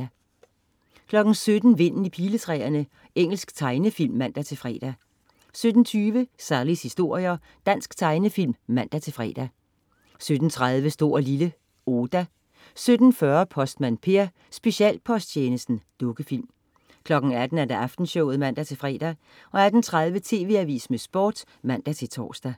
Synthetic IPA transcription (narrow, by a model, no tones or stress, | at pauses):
kʰlɒ̽ɡ̥n̩sød̥n̩ʋe̝n̰n̩ipʰiːlət͡sʰʁɛ̰ɐnə | eŋ̰l̩sɡ̥t͡sʰɑ̈ɪnəfil̰mːæn̰d̥æt͡sʰe̝fʁɛ̰ːd̥æ | sød̥n̩t͡sʰyːʋəsælishisd̥o̝ɐ̰jɐ | d̥æn̰sɡ̥t͡sʰɑ̈ɪnəfil̰mːæn̰d̥æt͡sʰe̝fʁɛ̰ːd̥æ | sød̥n̩t͡sʰʁað̞ˠʋəsd̥o̝ːɐ̰lilə | oːd̥æ | sød̥n̩fɶɐpʰɒ̽sd̥mænpʰe̝ɐ | sb̥e̝ɕiɛ̰ːl̥̚pʰɒ̽sd̥t͡ɕʰeːnəsd̥n̩d̥ɔ̽ɡ̥əfil̰m | kʰlɒ̽ɡ̥n̩æd̥n̩æɐd̥æ̈ʔɑfd̥n̩ɕɔʊð̩ˠmæn̰d̥æt͡sʰe̝fʁɛ̰ːd̥æ | ɒ̽æd̥n̩t͡sʰʁaðˠʋət͡sʰe̝̰ːʋe̝æʋḭːsmesb̥o̰ːd̥ | mæn̰d̥æt͡sʰe̝lt͡sʰɒ̰ːsd̥æ